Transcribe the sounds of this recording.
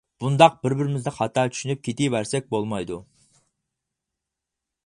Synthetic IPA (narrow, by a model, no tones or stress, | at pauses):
b̥und̪ɑq̚b̥ɪɾbɪɾɪmɪzd̪ɪχɑt̪ʰɑt͡ʃ̪ʰy̥ʃynyp̚kʲʰet̪ijwæɾsɛk̚ʲbolˠmɑjd̪u